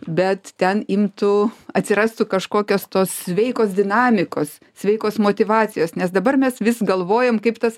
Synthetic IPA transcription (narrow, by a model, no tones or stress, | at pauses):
bʲɛt̪t̪ʲɛnɪmt̪ʊɐt̪ʲsʲɪɾɑːst̪ʊkɐʃkoːkʲoːst̪oːssʲʋʲɛɪkoːs̬d̪ʲɪnɑːmʲɪkoːs | sʲʋʲɛɪkoːsmoːt̪ʲɪʋɑːt͡s̪ʲɪjoːsnʲɛsd̪ɐbɐrmʲɛsʋʲɪsɡɐlˠʋoːjoːmkɐɪpt̪ɐs